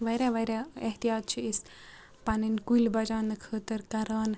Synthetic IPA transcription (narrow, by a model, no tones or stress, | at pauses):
ʋɐɾaʋɐɾʲaɐɦt̪ijaːt̪̚t͡ʃʰiis | pɐninkulbɐd͡ʒaːnɨkʰəːt̪əɾkɐɾaːn